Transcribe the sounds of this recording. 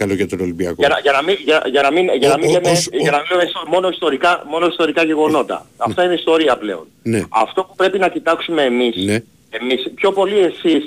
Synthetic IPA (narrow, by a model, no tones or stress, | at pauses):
kɐloʝɐt̪onolimbiɐkoɐnɐʝɐnɐmiʝɐʝɐnɐminʝɐnɐminlemeʝɐnɐmilemesomo̞no̞ist̪o̞ɾikɐmo̞no̞ist̪o̞ɾikɐʝe̞ɣo̞no̞t̪ɐ̰ɐft̪ɐineist̪o̞ɾiɐple̞̰o̞̰nneɐ̰ft̪o̞pu̥pɾe̞pinɐcit̪ɐksume̞ːmise | e̞mispço̞po̞lie̞sis